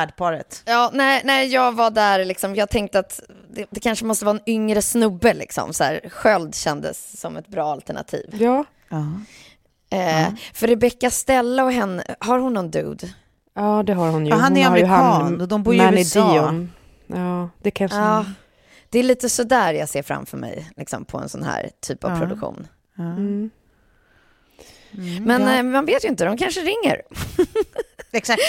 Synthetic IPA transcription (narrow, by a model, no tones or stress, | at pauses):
æɖpʰɑːɾət̪jɑːnɛɪnɛɪjɑːɡvaɖæɾlɪksɔmjɑːat̪ʰɛŋk̚t̪əat̪d̪ɛd̪ɛkʰanʂəmɔst̪əvɑːɛnʏŋɾəsnɵbːəlɪ̰ksɔ̰msæ̰ːɾɧœld̪ɕɛnd̪ə̰sːɔmɛt̪bɾɑːalt̪əɳa̰t̪ʰḭːvjɑː | ɛfœɾɛbɛkːast̪ɛlːaɔɦɛnːə̰haɾhʊnːɔnd̪ʉ̰ːd̪ | ɑːd̪ɛɦaɾhʊnjɦanæɾamɾɪkɑːnnɔd̪ɔmbuːɾjd̪iɔ | ɑːd̪̥ɛkʰaɑː | d̪̥ɛːliːt̪əsɔd̪æːɾjaseːɾfɾa̰mfœɾmɛ̰jlɪksɔmpʰɔɛ̰nsɔnhæ̰ːɾt̪ʰy̰ːpa̰v̥pɾʊd̪ɵ̰kɧṵːn | mɛnmanveːt̪jʏɪnt̪əd̪ɔmkʰanʂəɾɪŋːə̰ɾ | ɛksak̪̚